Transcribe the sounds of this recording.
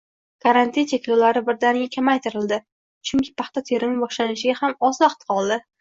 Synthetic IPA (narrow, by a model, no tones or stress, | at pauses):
kʰaɾant̪ʰint͡ʃʰekʲlolaɾɪbɪɾd̪anɡʲakʲʰamajt̪ʰɪɾɪld̪ɪ | t͡ʃʰʊŋkʲʰɪ̥pʰaχt̪at̪ʰe̞ɾɪmɪbɒʃlanɪʃɪɡʲahamɒzɒχt̪ʰqɒlˠd̪ɪ